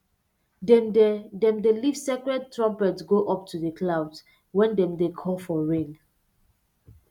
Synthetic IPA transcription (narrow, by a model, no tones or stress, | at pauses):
dɛddɛ̃mdelivsɛkɹɛd̚tɹɔ̃mpɛtsɡoʔɔp̚tʰudəkʰlawd | wɛ̃ndɛ̃mdekʰɔ̃mfɔɹẽn